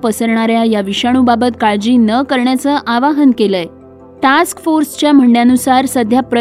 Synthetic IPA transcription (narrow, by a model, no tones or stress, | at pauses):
pəsəɾɳ̃aɾjajaʋiɕaɽ̃ubabət̪̚kaɭd͡ʑiːnəkəɾɳjat͡səʔaʋaɦənkeləj | ʈaskfoɾst͡ɕjam̤əɳɖjanusaɾsəd̪ʱjapɾə